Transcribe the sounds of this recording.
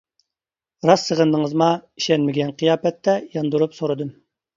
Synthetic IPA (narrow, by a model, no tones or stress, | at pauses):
ɾɑsəʁənd̪əŋəzmɑiʃɛnmɪɡʲɛnqʰijɑːpɛt̪ːɛjɑnd̪uɾupsoɾɨd̪ɨm